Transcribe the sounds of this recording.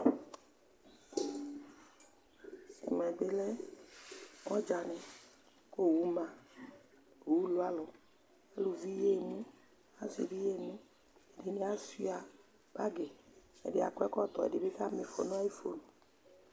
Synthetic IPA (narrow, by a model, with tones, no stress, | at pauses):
mɛ˨be˦lɛ˦ | ŋɔ̃˦d͡ʒa˨nɛ̃˨ | ko˦wu˦mã˨ | u˦lo˦a˦lɔ˨ | e˦lu˨vi˦je˦˨mũ˦ | a˦sḭ˨vi˦je˦˨nũ˦ | e˨di˨nĩ˦a˦si˦a˨ | b̥a˦ɡe˨ɛ̰˨dɪ˨˦a̰˨kɔ˦ɛ˦kɔ˦t̪ɔ˨ɛ̰˨di˨be˦ka˦me˨fo̰˨nũ˦a˦ji˦fo̰˦nũ˨